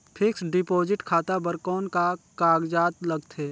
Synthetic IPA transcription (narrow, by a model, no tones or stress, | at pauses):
pʰɪksɖɪpoːd͡ʒɪʈkʰaːt̪abəɾkɔːnkakaːɡd͡ʒaːt̪ləɡt̪ʰeː